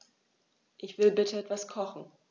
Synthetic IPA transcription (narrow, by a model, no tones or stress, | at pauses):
ʔɪçv̥ɪlbɪtʰəɛtv̥askʰɔχn̩